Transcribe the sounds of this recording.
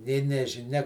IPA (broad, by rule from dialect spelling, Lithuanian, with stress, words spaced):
nʲeː nʲɛʒʲɪˈnʲɛ